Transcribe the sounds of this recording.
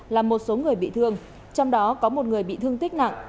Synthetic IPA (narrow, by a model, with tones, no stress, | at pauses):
laː˨˩mːo˨˩t̚so˨˦ŋɨ˨˩əjɓḭ˧˨t̪ʰɨ˧əŋ | t͡ɕɔ˧wŋ͡mɗɔ˨˦kɔ˨˦mo˨˩t̚ŋɨ˨˩əjɓḭ˧˨t̪ɨ˧əŋt̪ï˦˥k̚na̰˧˨ŋʔ